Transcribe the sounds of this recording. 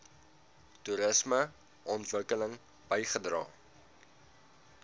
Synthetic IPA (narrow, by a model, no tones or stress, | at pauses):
tuɾəsmə | ʔɔntvəkələŋ | b̥əjχədrɑ̰ː